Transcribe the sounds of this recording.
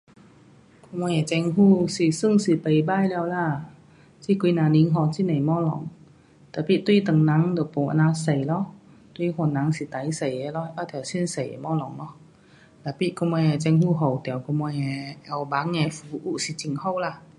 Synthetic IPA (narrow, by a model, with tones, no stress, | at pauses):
ku˧mɔ˧jɛ˨˩t͡ɕɛ˧ŋɦuː˥˩si˨˩sɨ˥˩˨ŋsi˨˩pə˨˩jbaː˧˥˨jlɛː˧wlaː˧˩ | t͡ɕi˧˥˩ki˧naː˧˨ni˨˦˥ŋɦɔ˧t͡ɕi˧˥˨na˨˩jmɔː˧˥˨lɔ˨˦ŋ | t̪aː˨˩pi˧˥˨t̪wi˧˥˩t̪ə˨˩ŋna˨˦˥ŋd̪o˨˩po˨˩˨ʔa̰˧˨naː˧sə˨˩jlɔ˧˥ | t̪wi˧˩hɔ˧˩˨nːa˨˦ŋsi˧˨˦t̪a˨˦jsə˨˩jɛ˧˦lɔ˧˥˩ʔa˧˩t̪ʰɛː˨˩si˧˥˨nsə˨˩j̰mɔ˧˥˨lɔ˨˩˦ŋlɔ˧˥˦ | t̪aː˨˩pi˧˥ʔku˧mɔː˧jɛ˧˩t͡ɕɛ˧ŋhuː˧˥˩ɦo˨˩wt̪ɛ˨˩˨wku˧mɔ˧jɛ˧ʔɛ˧˩wba˨˥ŋːɛ˧˩fuː˨˧˦ʔu˧˨ʔsi˧˦t͡ɕi˨˧˨ŋho˥˩wla˧˩˨